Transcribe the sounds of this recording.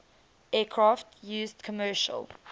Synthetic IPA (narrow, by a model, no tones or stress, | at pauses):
ɛːkʰɹaftjʉːzdkʰɔmɜːˑʃə̰l